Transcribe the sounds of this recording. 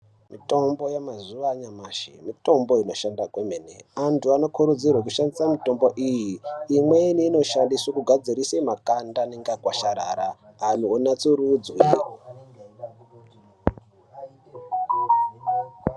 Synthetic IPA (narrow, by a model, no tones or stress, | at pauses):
mito̞mbo̞jamazuʋaɲamaːʃḭmito̞mbo̞ino̞ʃandakwemenḛantʰuano̞kʰuɾud͡zirwek̬uʃandisamito̞mbo̞ʔijiːmweniːno̞ʃandiswokuɡʱad͡zirisemakandaneŋɡakwaʃaɾaːɾaː | nuonat͡suɾud͡zwir